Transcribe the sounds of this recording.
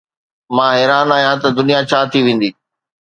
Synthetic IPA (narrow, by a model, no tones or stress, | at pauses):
mãːɦɛːɾaːnaːɦijãt̪ɐd̪ʊnijat͡ɕʰaːt̪ʰiʋẽːn̆d̪iː